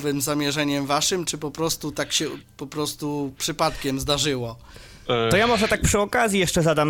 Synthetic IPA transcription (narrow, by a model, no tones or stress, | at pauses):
vɘmzamʲjɛʐɛɲɛmvaʂɘmt͡ʂɘpɔpɾɔst̪ut̪akɕɛpɔpɾɔst̪upʂɘpat̪kʲɛmzd̪aʐɘwɔ | t̪ɔjamɔʐɛt̪ak̚pʂɘɔkazʲjijɛʂt͡ʂɛzad̪am